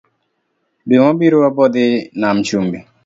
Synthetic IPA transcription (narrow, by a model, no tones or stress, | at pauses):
beŋɔ̃biɾoabɔd̪ɪnamt͡ʃumbi